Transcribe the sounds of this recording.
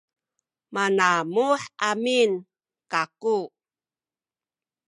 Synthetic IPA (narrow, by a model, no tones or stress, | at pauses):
manamuħʔamin | kaku